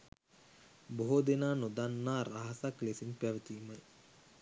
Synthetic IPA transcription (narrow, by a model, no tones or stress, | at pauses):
boɦod̪enaːnod̪anːaːraɦasaklesinpæʋət̪iːmə